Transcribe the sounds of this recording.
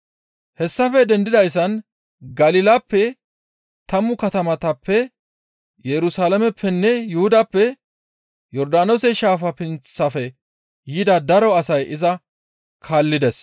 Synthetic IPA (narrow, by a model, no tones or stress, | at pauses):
hɛsːɐfɛd̪ɛnd̪ɪd̪ɐjs̬ːɐn | ɡɐlɪlɐpːɛ | t̪ɐmːʊkɐt̪ɐmɐt̪ɐpːɛ | jɛɾʊsaːlɐmɛpːɛnːɛjʊhʊd̪ɐpːɛ | jɔɾd̪aːnosɛʃaːfɐpɪnt͡sːɐfɛ | jɪd̪ɐd̪ɐɾɔɐsɐjɪzɐ | kʰaːlːɪd̪ɛs